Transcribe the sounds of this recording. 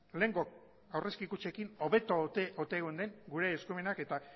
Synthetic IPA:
le̞ːŋɡo̞k | awre̞skikut͡ʃe̞kino̞βe̞t̪oot̪eːɣond̪e̞ŋɡuɾe̞ːskume̞nake̞t̪a

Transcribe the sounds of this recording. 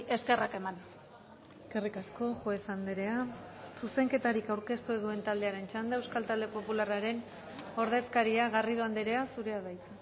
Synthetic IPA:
e̞ske̞rake̞man | eske̞rikasko̞ʝoesand̪eɾe̞asuse̞ŋke̞t̪aɾikawɾke̞st̪ueðue̞nt̪ald̪e̞aɾe̞nt͡ʃand̪aewskalt̪ald̪e̞po̞pularaɾe̞n | o̞ɾðe̞skaɾiaɣariðoand̪eɾe̞asuɾe̞aðajt͡s̪e

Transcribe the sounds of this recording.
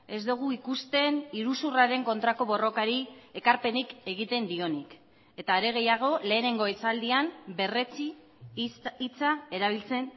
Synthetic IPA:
e̞zd̪uɣ̞uikust̪e̞niɾusuraɾe̞ŋko̞nt̪ɾako̞βo̞ro̞kaɾie̞kaɾpe̞nike̞ɣ̞it̪e̞nd̪io̞nik | e̞t̪aɾe̞ɣ̞e̞jaɣ̞o̞le̞ːne̞ŋɡo̞et͡sald̪iambe̞ret͡si | it͡sae̞ɾaβ̞ilt͡se̞n

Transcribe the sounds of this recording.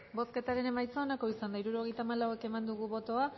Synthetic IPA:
bo̞ske̞t̪aɾe̞ne̞majt͡saonako̞isand̪aiɾuɾo̞ɣ̞e̞jt̪amalawe̞ke̞mand̪uɣuβo̞t̪o̞a

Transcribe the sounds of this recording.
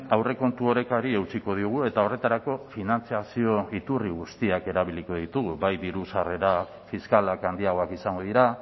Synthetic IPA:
awre̞ko̞nt̪uo̞ɾe̞kaɾiewt͡ʃiko̞ð̞iuɣ̞ue̞t̪ao̞re̞t̪aɾako̞finant͡siasio̞it̪uriɣ̞ust̪iake̞ɾaβiliko̞ðit̪uɣuβajðiɾusare̞ɾa | fiskalakand̪iaɣ̞o̞akisaŋɡoðiɾa

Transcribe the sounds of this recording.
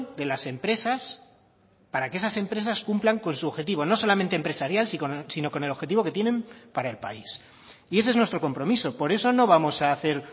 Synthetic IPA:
d̪e̞lase̞mpɾe̞sas | paɾakeesase̞mpɾe̞saskumplaŋko̞nsuxe̞t̪̬iβ̞o̞no̞so̞lamẽnt̪empɾe̞saɾjalsiosino̞ko̞ne̞loxe̞t̪iβo̞ke̞t̪je̞nẽ̞mpaɾae̞lpa̰is | ie̞s̬ee̞znwest̪ɾo̞ko̞mpɾo̞miso̞po̞ɾe̞so̞no̞β̞amo̞saːθe̞ɾ

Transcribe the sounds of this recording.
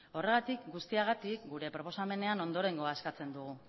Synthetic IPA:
o̞re̞ɣ̞at̪ikɡust̪iaɣ̞at̪ikɡuɾe̞pɾo̞po̞same̞ne̞ano̞nd̪o̞ɾe̞ŋɡo̞aeskat͡se̞nd̪uɣ̞u

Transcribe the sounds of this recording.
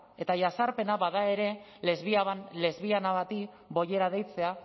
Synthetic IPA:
e̞t̪aʝasaɾpe̞naβaðae̞ɾe̞ | le̞zβiaβanle̞zβianaβat̪i | bo̞je̞ɾaðejt͡se̞a

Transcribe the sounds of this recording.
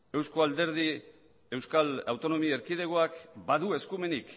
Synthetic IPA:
e̞wsko̞ald̪e̞ɾð̞i | e̞wskala̰wt̪o̞no̞mieɾkiðe̞ɣoakbaðue̞skume̞nik

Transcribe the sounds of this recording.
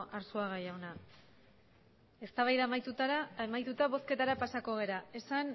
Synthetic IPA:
ʔaɾsuaɣ̞ajawna | e̞st̪aβajðamat̪uemajt̪ut̪aβo̞ske̞t̪aɾapasako̞ɣ̞e̞ɾae̞san

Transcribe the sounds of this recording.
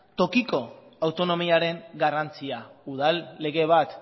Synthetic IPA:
t̪o̞kiko̞ | awt̪o̞no̞miaɾe̞ŋɡarant͡siauð̞alːe̞ɣe̞β̞at̪

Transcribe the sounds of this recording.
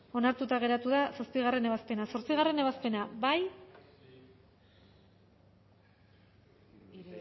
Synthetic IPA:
o̞naɾt̪ut̪aɣe̞ɾat̪uðasaspiɣare̞ne̞βaspe̞naso̞ɾt͡siɣ̞are̞ne̞β̞aspe̞nabaj

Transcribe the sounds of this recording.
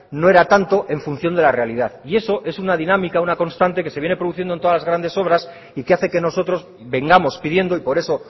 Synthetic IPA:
no̞e̞ɾat̪ant̪o̞ʔeɱfun̟θjo̞nd̪e̞lare̞aliðaðie̞so̞ʔe̞sunaðinamikaunako̞nst̪ant̪e̞ke̞seβje̞nepɾoðuθ̬jend̪ont̪oalazɣɾand̪e̞so̞β̞ɾas | ikeaθe̞ke̞no̞so̞t̪ɾo̞z | be̞ŋɡamo̞spiðje̞nd̪o̞ipo̞ɾe̞so̞

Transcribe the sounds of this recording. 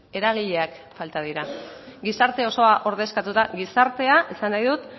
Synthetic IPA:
e̞ɾaɣ̞iʎe̞ak | falt̪að̞iɾaɡisaɾt̪e̞o̞so̞aʔo̞ɾð̞e̞skat̪ut̪aɣisaɾt̪e̞aesanajðut̪

